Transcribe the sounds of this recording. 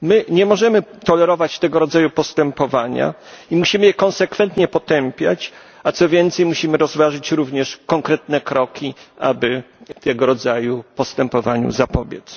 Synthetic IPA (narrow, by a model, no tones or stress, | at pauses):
mɘɲɛmɔʐɛmɘt̪ɔlɛɾɔvat͡ɕt̪ɛɡɔɾɔd̪zajupɔst̪ɛmpɔvaɲa̰ | imuɕimɘjɛkɔ̃nsɛkfɛnt̪ɲɛpɔt̪ɛmpʲjat͡ɕ | at̪sɔvʲjɛnt̪sɛjmuɕimɘɾɔzvaʐɘt͡ɕɾuvɲɛʂkɔŋkɾɛt̪nɛkɾɔkʲia̰bɘ | t̪ɛɡɔɾɔd̪zajupɔst̪ɛmpɔvaɲṵzapɔbʲjɛ̰t̪s